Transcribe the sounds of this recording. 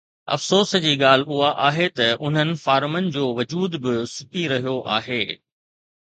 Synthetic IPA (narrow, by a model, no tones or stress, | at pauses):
ɐ̰fsoːsd͡ʑiːɠaːl̤ʊɦaʔaːɦet̪ɐʊn̤ənɪ̆faːɾmənɪ̆d͡ʑoːʋɐd͡ʑuːd̪bɪsʊkiɾɐɦijoʔa̰ːɦeː